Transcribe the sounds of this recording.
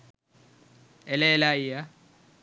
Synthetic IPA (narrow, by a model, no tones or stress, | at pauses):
ɛlɛlaija